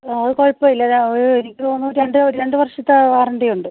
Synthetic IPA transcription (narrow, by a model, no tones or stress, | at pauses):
aɐðɨkoɻpːɐilːɐoɾuenikʲːioːnːuːtːeɳɖɨoɾɾe̞ɳɖɨʋɐrʂɐt̪ːɐʋaːrɐɳɖejuɳɖɨ